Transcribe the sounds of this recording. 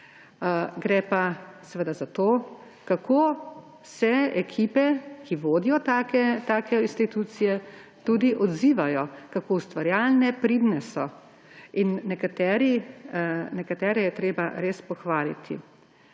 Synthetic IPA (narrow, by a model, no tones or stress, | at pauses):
ɡɾɛːpasɛʋəd̪azat̪oː | kakoː | sɛɛkʰiːpɛkʰiʋoːd̪ijɔt̪akɛt̪aːkɛinst̪it̪uːt̪sijɛt̪ud̪iʔɔd̪ziːʋajɔkakoːust̪ʋaɾjaːlnɛpɾid̪nɛsɔ | inːɛkat̪ɛɾi | nɛkat̪ɛːɾɛjɛt̪ɾeːbaɾeːspɔxʋaːlit̪ʰḭ